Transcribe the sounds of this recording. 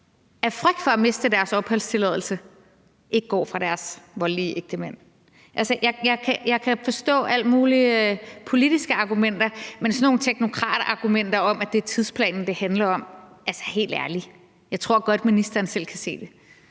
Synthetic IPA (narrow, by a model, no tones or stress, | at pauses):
æɐfʁœɡ̥̚d̥fɒ̽æme̝sd̥əd̥æɐsɒ̽b̥hɒl̰st͡sʰe̝lɛðˠl̩sə | ʔe̝ɡ̥ɡ̥ɒ̰ːfʁɑ̈ɾ̥æɐsʋɒ̽liːʔeɡ̥̚d̥əmæn̰ | ʔælsəjɑ̈ɪjɑ̈ɪkʰæjɑ̈ɪkʰæfɒ̽sd̥ɔ̰̽ːæl̰muːlipʰo̝lid̥isɡ̥əɑ̈ɡ̥umen̰d̥ɐmensɒno̝ːn̩t͡sʰeɡ̥no̝kʰʁɑ̰̈ːd̥ɑ̈ɡ̥umen̰d̥ɐɒ̽mʔæd̥e̝æɐt͡sʰið̞ˠspʰlɛ̰ːnn̩d̥e̝hænlɐɒ̽m | ælsə̥he̝̰ːld̥æɐli | jɑ̈ɪt͡sʰʁo̝ɐ̰ɡ̥ɒ̽d̥minisd̥ɐːn̩sel̰kʰæse̝̰ːd̥e̝